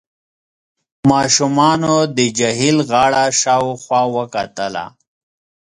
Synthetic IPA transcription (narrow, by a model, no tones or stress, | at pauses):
mɑʃumɑːnod̪əd͡ʒaɦilɣɑɽaʃɑwxwɑːwəkat̪əla̰